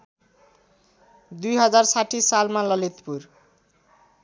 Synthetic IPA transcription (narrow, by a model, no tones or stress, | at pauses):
d̪ujɦʌd͡zarsaʈʰisalmalʌlit̪pur